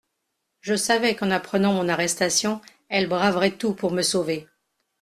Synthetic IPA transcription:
ʒəsavɛkɑ̃napχənɑ̃mɔ̃naʁɛst̪asjɔ̃ | ɛlbʁavʁɛt̪upuʁməsove

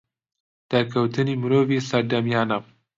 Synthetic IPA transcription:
d̪̥akʰɐwt̪ɨnimɨɾovisɐɾd̪ɐmjɑːna

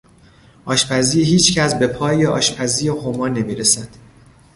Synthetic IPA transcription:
ʔɒːʃpʰæziːhiːt͡ʃcʰæsbe̞pʰɒːjeʔɒ̰ːʃpʰæziːjehomɒːne̞miːɾesænd̪̥

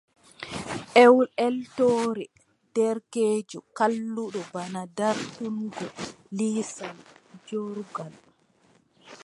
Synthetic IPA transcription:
ʔɛwɛltoːɾɛ | d̥ɛɾkeːd͡ʒukalːuɗɔbanadaɾtunɡɔ | liːsald͡ʒoɾɡal

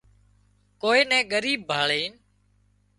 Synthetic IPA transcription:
koːeːnɛ̃ːɠəɾiːb̚ːʱaːɭeːn

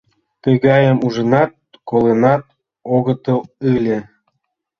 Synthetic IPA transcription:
t̪əɣɑjəmuʒə̆nɑt̪̚kolenɑt̪̚ | oɣə̆t̪əlɯlʲe

